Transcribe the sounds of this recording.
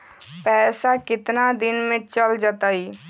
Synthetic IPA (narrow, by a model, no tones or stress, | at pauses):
pɛːsakɪt̪nad̪inmẽt͡ʃəld͡ʒət̪əi